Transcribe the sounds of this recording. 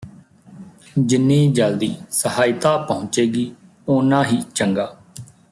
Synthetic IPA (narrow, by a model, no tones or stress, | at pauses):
d͡ʒɪnːiːd͡ʒəld̪iːsəhaːɪt̪aːpəɦʊ̃t͡ʃeːɡiː | oːnãːɦiːt͡ʃəŋɡaː